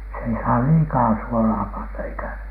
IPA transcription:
se ei sɑː liːkɑː suolɑː pɑnːɑ eikæ

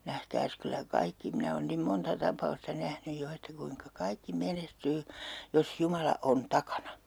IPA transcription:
næhkæːs kylːæ kɑikːi minæ oːn nim montɑ tɑpˑɑustɑ næhnyj jo etːæ kuiŋkɑ kɑikːi menestyː jos jumɑlɑ on tɑkɑnɑ

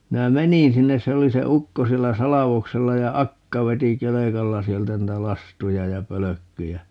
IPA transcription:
minæ menĩː sinːes se oli se ukːo sielːæ sɑlɑʋokselːɑ jɑ ɑkːɑ ʋeti kelekɑlːɑ sieltæ nĭtæ lɑstujɑ jɑ pøløkːyjæ

